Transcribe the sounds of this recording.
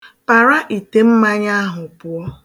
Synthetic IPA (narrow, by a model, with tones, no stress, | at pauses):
pa˨ɾa˦ʔi˨te˨m̩˦ma˦ɲa˦a˦ɦʊ˨pʊ˨ɔ˦